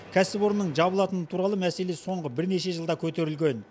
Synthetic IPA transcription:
kʲʰæsɪbo̞ɾnːəɴʒɑβəlˠɑt̪ənət̪ʰuɾɑlˠəmæse̞leso̞ɴʁəbɪɾne̞ʃe̞ʒəlˠd̪ɑkʲʰɵt̪e̞ɾɪlɡʲe̞n

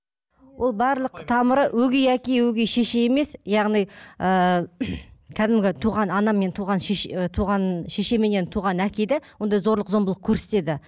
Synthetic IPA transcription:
wʔo̞lˠbɑɾlˠəqt̪ʰɑməɾəwɵɡʲejækʲejwɵɡʲejʃeʃejeme̞sjɑʁnijə | kʲʰæd̪ɪmɡʲɪt̪ʰuʁɑnɑnɑmːe̞nt̪ʰuʁɑnʃt̪ʰuʁɑnʃeʃe̞menent̪ʰuʁɑnækʲejd̪ewo̞nd̪ɑjzo̞ɾlˠəqzo̞mbəlˠəq̚kʰʲɵɾse̞t̪e̞d̪ɪ

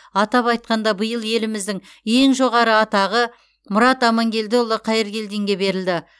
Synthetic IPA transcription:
ɑt̪ɑpɑjt̪̚qɑnd̪ɑbəjəlˠje̞lɪmɪzd̪ɪŋ | e̞ŋʒo̞ʁɑɾəɑt̪ɑʁə | mʊɾɑt̪ɑmɑŋɡʲe̞ld̪ɪʊlˠəqʰɑjɪɾɡʲe̞ld̪e̞ŋɡʲe̞be̞ɾɪld̪ɪ

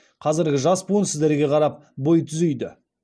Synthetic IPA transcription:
qʰɑzɪɾɡʲɪʒɑspunsɪzd̪eɾɡʲe̞qʰɑɾɑp̚bo̞jt̪ʰʏzʏjd̪ɪ

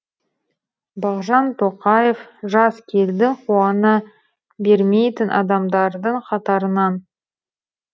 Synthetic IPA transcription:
bɑʁʒɑnt̪ʰo̞qɑje̞fʒɑskʲʰe̞ld̪ɪqʰuɑnə | beɾme̞jt̪ɪnʔɑ̰d̪ɑmd̪ɑɾd̪əɴqʰɑt̪ɑɾənɑn

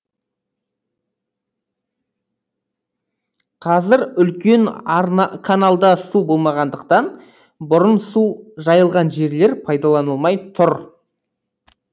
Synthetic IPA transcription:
qʰɑzɪɾʏlkʲe̞n | kʰanalˠd̪ɑsubo̞lˠmɑʁɑnd̪əqt̪ɑn | bʊɾənsuʒɑjəlˠʁɑnʒe̞ɾle̞ɾpʰɑjd̪ɑlˠɑnəlˠmɑjt̪ʰʊɾ

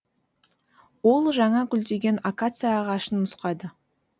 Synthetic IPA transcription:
wo̞lˠʒɑɴɑkʲʏld̪e̞ɡʲe̞nakat̪sɨjaːʁɑʃənːʊsqɑd̪ə

